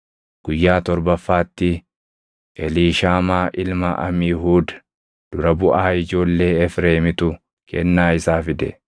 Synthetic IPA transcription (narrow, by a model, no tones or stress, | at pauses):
ɡ̥ʊjːaːt̪ɔɾbɐfːaːt̪ːɪ | ʔɛliːʃaːmaːʔɪlmɐʔɐ̰mɪjɦuːd̪ | d̪̥ʊɾɐbʊʔaːɪd͡ʒo̞ːlːe̞ːɛfɾe̞ːmɪt̪ʊ | kʰɛ̰nːaːɪsaːfɪd̪ɛ̰